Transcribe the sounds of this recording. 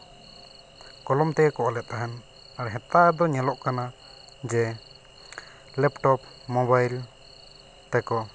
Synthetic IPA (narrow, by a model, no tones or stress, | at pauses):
kɔlɔmt̪ɛkɔʔɔlɛt̪̚aɦɛn | aɾɛɦɛt̪ad̪ɔɲɛlɔʔkana | d͡ʒɛ | lɛpʈɔp | mɔbajl | t̪ɛkɔ